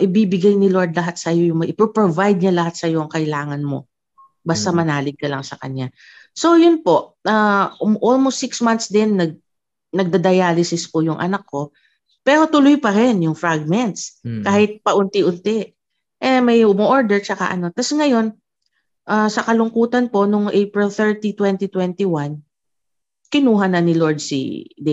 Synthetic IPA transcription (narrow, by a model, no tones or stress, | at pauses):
ʔɪbibɪɡajnɪlo̞ɹd̪̚lɐɦat̪̚sɐjo̞jʊŋmɐʔɪpɹopɹovajd̪̚ɲalɐhat̪̚sɐjo̞ŋkɐʔɪlaːŋɐnmo̞̰ | bɐst̪amɐnaːlɪɡ̚kɐlɐŋsɐkɐ̰ɲːa | so̞jʊnpo̞ʔaʔolmost̪sɪksmant̪sd̪ɛnːɐɡ̚ | nɐɡ̚d̪ɐd̪ɐjaːlɪsɪspʊjʊŋʔɐ̰nɐkːo̞ | pɛːɾo̞t̪ʊlʊjpɐɾɪnjʊŋfɹaɡ̚mɛnt̪skaːhɪt̪̚pɐʔʊnt̪ɪʔʊnt̪ɛ | ʔɛmɐjʊmoʔoɹd̪ɛɹt͡ʃɐka̰ʔɐ̰no̞t̪ɐsŋɐjo̞n | ʔasɐkɐlʊŋkuːt̪ɐnpo̞nʊŋʔejpɹɪlθɛɹt̪it̪wɛnt̪it̪wɛnt̪iwan | kɪnuːɦɐnɐnɪlo̞ɹd̪̚sḭd̪ɛ